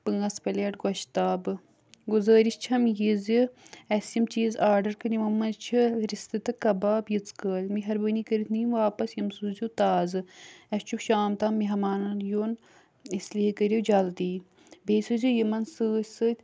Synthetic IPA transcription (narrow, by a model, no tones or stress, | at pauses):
pɨŋɡɐspɐlʲeʈɡɐʃt̪aːbɨ | ɡuzəːɾist͡ʃʰɐmjiziɐsjimt͡ʃiːzaːɾɖɐɾkɐɾʲimɐmːɐnt͡ʃʰiɾist̪ɨt̪ɨkɐbaːbjit͡skəːlʲmiɦɐɾbənikəɾit̪ʰniːmʋaːpɐsjɐmsuzut̪aːzɨɐst͡ʃʰukʃaːmt̪ɐmːiɦɐmaːnɐnjoːn | islʲiːkəɾʲiwd͡ʒɐld̪iː | beːsuzʲujimɐnsɨːsɨt̪ʲ